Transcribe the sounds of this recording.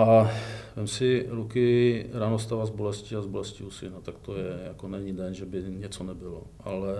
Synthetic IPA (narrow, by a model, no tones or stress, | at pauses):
ʔavɛmsɪɾukɪɾanost̪avazbolɛscɪazbolɛscɪusɪnat̪akt̪ojɛjakonɛɲidɛnʒɛbɪɲɛt͡sonɛbɪloʔa̰lɛ